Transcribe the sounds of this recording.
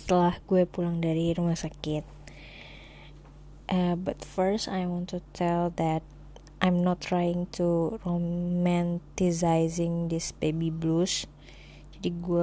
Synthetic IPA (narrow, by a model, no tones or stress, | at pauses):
sə̥t̪əlahɡuapulaŋdaɾiɾumahsakɪt̪̚ | ʔəbat̪fəɹstajwɔ̃nt̪ut̪ʰɛld̪ɛt̪̚ | ʔajmnɔt̪ːɾajɪŋt̪ʰuɾomɛ̃nt̪izajzɪŋd̪ɪsbebiblus | d͡ʒadiɡua